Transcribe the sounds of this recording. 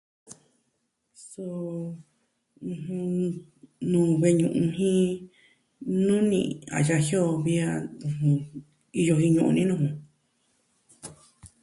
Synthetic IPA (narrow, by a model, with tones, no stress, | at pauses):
so˧ | ũ˧hũ˧ | nũː˨βe˧ɲũ˧˨ʔũ˧ɦĩ˦ | nũ˦nḭ̃˧a̰˨ja˧hjo˦˨βi˧a˧ũ˧hũ˧ | i˧jo˧ɦĩ˧ɲũ˧ʔṵ̃˧nĩ˦nũ˧hũ˧